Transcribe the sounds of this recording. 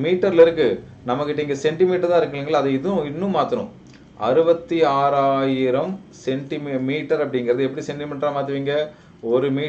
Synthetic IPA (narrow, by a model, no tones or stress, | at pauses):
miːʈːɐɾlɪɾɯkːɯ | nɐmːɐkːɪʈːɐɪːŋɡɐsɛɳʈɪmiːʈːɐɾt̪ãːɪɾɯkːɐleːŋɡɐɭːɐðɐɪðʊ̃ɪnːɯ̃maːt̪ːɐɳʊ̰̃ | ʔɐɾɯbɐt̪ːiaːɾaːjɪɾɐmsɛɳʈɪmmiːʈːɐɾɐpːɐɽɪŋɡɐɾɐðɯɛpːɐɽisɛɳʈɪmiːʈːɾamaːt̪ɯʋiːŋɡɐ | ɔɾɯmiː